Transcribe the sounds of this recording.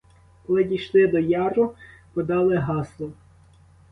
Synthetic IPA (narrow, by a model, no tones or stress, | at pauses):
kɔlˠɪdʲijʃlˠɪd̪ɔjɑrʊpɔd̪ɑlˠɪɦɑslˠɔ